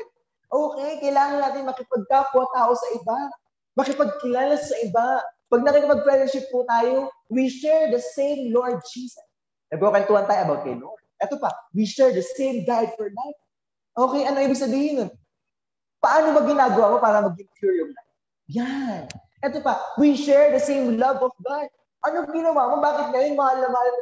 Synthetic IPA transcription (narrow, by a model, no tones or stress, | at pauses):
ʔoːkɛjkɐjlaːŋɐnːaːt̪ɪnmɐkɪpɐɡ̚kakʊwat̪aːʔosɐʔɪba | mɐkɪpɐɡ̚kɪlaːlɐsɐʔɪbapɐɡ̚nɐkikɪpɐɡ̚pɹɛzɛnʃɪp̚ːut̪aːjo̞wiʃɛɹd̪ɐsẽjmloɹd̪̚d͡ʒiːsɐs | nɐɡokɐnt̪uɐnt̪aːjoʔɐbawkɐ̰jloɹd̪̚ʔɛːt̪opɐwiʃɛɹd̪ɐsẽjmd̪ajd̪fɔɹlajt̪̚ | ʔoːkɛjʔɐnoŋiːbɪɡ̚sɐbiːhɪnon | pɐʔaːnomɐɡɪnaːɡɐwaːmo̞paːɾɐmɐɡ̚ɪŋkjuɹjʊlaj | janʔɛt̪opɐwiʃɛɹd̪ɐsẽjmlɐvɔfɡad̪̚ | ʔɐnoɡɪnɐwaːmobaːkɪt̪̚ŋɐjonmɐhalɐmaːlɐn